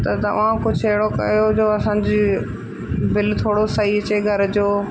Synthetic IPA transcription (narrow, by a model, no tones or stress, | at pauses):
t̪ɐt̪ɐ̰ʋãkʊd͡ʑʱeɦɽokɐ̰jod͡ʑoːɐsãːɲd͡ʑeː | bɪlt̪ʰoːɽosɐɦiɐt͡ɕeɡʱɐɾd͡ʑoː